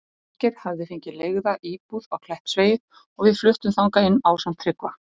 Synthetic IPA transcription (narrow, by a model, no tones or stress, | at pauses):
cɪɾ̥havðɪfɪɲcɪleɣðaʔiːpuðaɣkʰlɛht̪sveːjð | ɔɣvɪðflʏht̪ʏmθawŋkaɪnːawsam̥t̪ʰːɾɪkva